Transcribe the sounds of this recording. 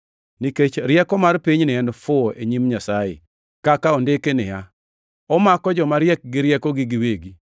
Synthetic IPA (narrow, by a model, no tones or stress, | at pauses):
niket͡ʃɾjɛkɔmarpiɲnɪɛndfʊʔeɲimɲasajɪ̰ | kakaondekenɪja | ɔmakɔd͡ʒɔmaɾjɛk̚ɡɪɾjɛkɔɡɪɡɪweɡi